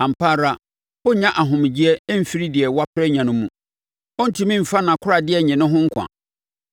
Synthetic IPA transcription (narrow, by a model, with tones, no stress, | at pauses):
ã˨m̩˨pʰaː˦ɾa˦ | ʊ˦ɲã˦ʔa˨ɦʊ̃˨m˨d͡ʑi˦ɛ˦m̩˦fi˦ɾi˦dɪ˨ɛ˨wa˦pʰɾɛ˦ɲã˨nʊ̃˦mũ˨ | ɔ˦n̩˦tʰĩ˦mĩ˦m̩˨fa˦nã˨kʰʊ˦ɾa˨dɪ˦ɛ˨ɲɪ̃˨nʊ̃˦ɦʊ̃˦ŋ̩˦kʷʰã̰˨